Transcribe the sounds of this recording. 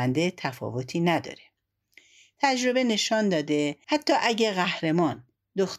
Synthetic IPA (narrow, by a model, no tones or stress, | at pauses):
ænd̪e̞t̪ʰæfɒ̰ːvot̪ʰiːnæd̪ɒ̰ːɾe | t̪ʰæd͡ʒɾo̞be̞ne̞ʃɒːnd̪ɒːd̪e̞hæt̪ʰːɒːʔæɟeɣæhɾemɒːn | d̪ox